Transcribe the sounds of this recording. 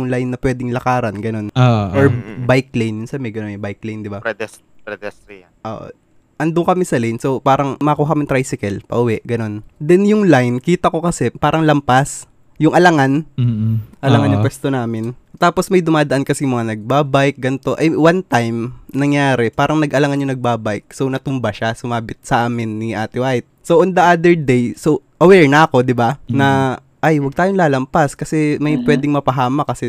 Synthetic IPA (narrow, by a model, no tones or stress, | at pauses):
ʊŋlajnːɐpwɛːd̪ɪŋlɐkaːɾɐnɡɐno̞noʔoɹbajk̚lejnjʊnsɐmɛɡɐnonbajk̚lejnd̪ɪbapɛd̪ɛs | ɾɛd̪ɛs | ʔo̰ːʔo̰ | ʔɐnd̪ʊŋkɐmɛsɐlejnsowpaːɾɐŋmɐʔɐkuːhɦɐkɐmɪt̪ɾajsɪkɛlpɐ̰ʔʊwɛʔɡɐno̞nd̪ɛnjʊŋlajnkiːt̪ɐko̞kɐsɛpaːɾɐŋlɐmpas | jʊŋʔɐlɐŋan | ʔɐlɐŋanjʊŋpwɛst̪onaːmɪnt̪aːposmɐjd̪ʊmaːd̪ɐʔankɐsɛjʊŋmɐŋanɐɡ̚baːbajk̚ɡɐnɪt̪o̞ʔɐjwant̪ajmnɐŋjaːɾɛpaːɾʔɐŋnɐɡʔɐlɐŋanɲʊŋnɐɡ̚baːbajk̚sownɐt̪ʊmbaʃasʊmaːbɪt̪̚sɐʔaːmɪnːiʔa̰ːt̪ɪwʔajt̪̚soʔond̪ɐʔad̪ɛɹd̪ejsoʔɐwɛɹnɐʔɐko̞d̪ɪbanɐ | ʔajwɐɡ̚t̪aːjoŋlaːlɐmpaskɐsɛmɐjpwɛːd̪ɪŋmɐpɐɦaːmɐkɐsɛ